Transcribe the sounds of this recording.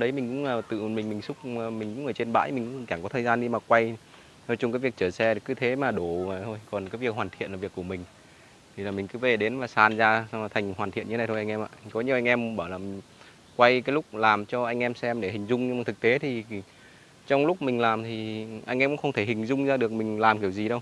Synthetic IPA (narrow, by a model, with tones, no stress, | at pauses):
ɗə˨˦jmï˨˩ŋ̟kʊ̰˧˥ŋ͡məː˨˩t̪ɨ̰˧˨˩mï˨˩ŋ̟mï˨˩ŋ̟sʊ˦˥k͡p̚ːmi˨˩ŋ̟kʊ̰˧˥ŋ͡mʔəː˧˩t͡ɕe˧nɓa̰ː˧˥jmï˨˩ŋ̟kʊ̰˧˥˩t͡ɕaː˧˩kɔ˨˦t̪ʰəː˨˩jzaː˧nɗi˧maː˨˩kwa˧j | nɔ˧˦t͡ɕʊ˧ŋ͡mkaː˨˦jvi˨˩ək̚t͡ɕəː˧˩sɛ˧˨˩kːɨ˨˦t̪ʰe˨˦maː˨˩ɗo˧˩˧vaː˨˩t̪ʰo˧jkɔ˨˩nkaː˨˦jvi˨˩ək̚ɦwaː˨˩t̪ʰi˧˨nlːvi˨˩əkːu˧˩əmï˨˩ŋ̟ | t̪ʰi˨˩laː˨˩mï˨˩ŋ̟kɨ˨˦ve˨˩ɗe˨˦nvaː˨˩saː˧˩nzaː˧sŋaː˨˩t̪ʰa˨˩ŋ̟hwaː˨˩nt̪i˧˨nɲɨ˧˦a˨˩t̪ʰjʔa˧ŋ̟ɛ˧mʔa̰ː˧˨kɔ˨˦ɲi˧˨əʔa˧ŋʔɛ˧mɓaː˧˩wlaː˨˩mi˨˩ŋ | kwa˧jkaː˨˦jlʊ˦˥k͡p̚laː˨˩mt͡ɕɔ˧ʔa˧ŋ̟ʔɛ˧msɛ˧mɗe˧˩hï˨˩ŋ̟zʊ˧ŋ͡mɲɨ˧maː˨˩ɨ˨˩k̚t̪e˨˦t̪ʰi˨˩ | t͡ɕɔ˧wŋ͡mlʊ˦˥k͡p̚mï˨˩ŋ̟laː˨˩mt̪ʰi˨˩ʔa̰˧jŋ̟ʔɛ˧mkʊ̰˧˥xə˧ŋ͡mt̪ʰe˧˩hï˨˩ŋ̟zʊ˧ŋ͡mzaː˧ɗɨ˨˩ək̚mï˨˩ŋ̟laː˨˩mki˧˩əwzi˨˩ɗə˧w